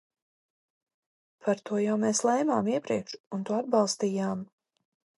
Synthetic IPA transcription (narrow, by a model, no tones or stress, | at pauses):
pʰaɾt̪uɔjawmeːslˠɛjmaːmiɛpɾiɛkʃunt̪uɔad̪̚bɑlˠst̪iːjaːm